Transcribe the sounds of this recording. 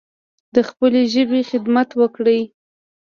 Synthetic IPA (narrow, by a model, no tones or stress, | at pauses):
d̪əxpəleʒəbexɪd̪mat̪wəkɽəj